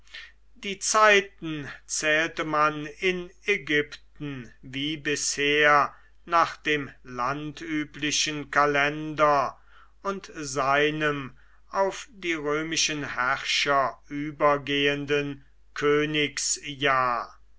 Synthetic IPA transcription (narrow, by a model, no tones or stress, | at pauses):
d̥iːt͡saɪtn̩t͡sɛːltəmanɪnɛɡʏptn̩viːbɪsheːɐ | naːχd̥eːmlantʰyːplɪʃənkalɛndɐ | ʊntzaɪnəm | ʔaʊfd̥iːʁøːmɪʃənhæʁʃɐyːbɐɡeːəndən | kʰøːnɪksjaːɐ